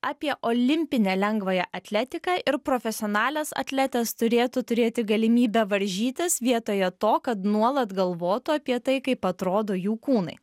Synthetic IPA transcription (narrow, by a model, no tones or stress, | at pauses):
ɑːpʲiɛʔoːlʲɪmʲpʲɪnʲɛːlʲɛŋɡʋojɛʔɐt̪ʲlʲæt̪ʲɪkɑːʔɪɾpɾoːfʲɛsʲɪoːnɑːlʲɛsɐ̰t̪ʲlʲæt̪ʲɛst̪ʊɾʲeːt̪ʊt̪ʊɾʲeːt̪ʲɪɡɐlʲɪmʲiːbʲɛʋɐɾʲʒʲiːt̪ʲɪsʋʲiɛt̪oːjɛt̪oːkɐt̪nuɔlˠɐt̪ɡɐlˠʋoːt̪ʊɐpʲiɛt̪ɐɪkɐɪpɐt̪ɾoːd̪oːjuːkuːnɐɪ